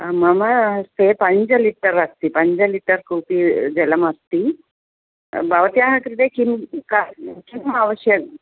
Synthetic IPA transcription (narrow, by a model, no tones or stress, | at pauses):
mamasepəɲd͡ʑaliʈəɾːaɡt̪ipəɲd͡ʑaliʈəɾkupiːd͡zɛləmast̪i | baʋət̪jaɦat̪ɾid̪ekimkakimaʋəɕjək